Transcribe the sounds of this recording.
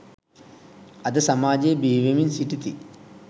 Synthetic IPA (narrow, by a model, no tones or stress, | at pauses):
ɐd̪əsɐmaːd͡ʒejbiːʋeminsiʈit̪ḭ